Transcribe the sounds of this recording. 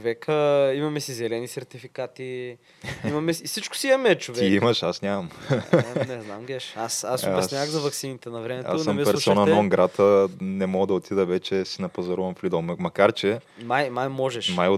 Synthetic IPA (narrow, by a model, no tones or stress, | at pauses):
t͡ʃovɛkəimɐmɛsizɛlɛnisɛɾt̪ifikat̪i | imɐmɛsit͡ʃkʊ̥siimɐmɛt͡ʃovtɛiimɐʃasnʲamɐm | nɛznamɡɛʃasassʲaɣzɐvɐksinit̪ɛnɐvɾɛmɛta̰sːɐmpɛɾsɔnɐnɔnɡɾat̪ʰənɛmɔɡəd̪ɐot̪ʰid̪əvɛt͡ʃɛsinɐpɐzɐɾuvɐmflid̪olˠɐmɐkaɾt͡ʃɛ | majmajmɔʒɛʃmajo